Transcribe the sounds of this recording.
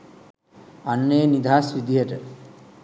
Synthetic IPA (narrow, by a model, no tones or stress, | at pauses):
anːeənid̪ʱaːsʋid̪iɦəʈə